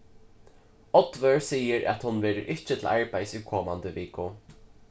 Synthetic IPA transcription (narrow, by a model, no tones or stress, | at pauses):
ɔt̪ʋœɹsiːəɾʔæ̰t̪hʊnʋeːɾəɾʔɪht͡ʃət̪ʰɪlʔaɹpajsʏkʰoːma̰nt̪əʋiːkʊ